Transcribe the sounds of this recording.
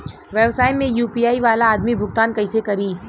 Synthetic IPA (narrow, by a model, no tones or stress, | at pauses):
ʋɛʋsaːjmẽjuːpiːaːiʋaːlaːd̪mibʱʊɡt̪aːnkɐɪsekɐɾiː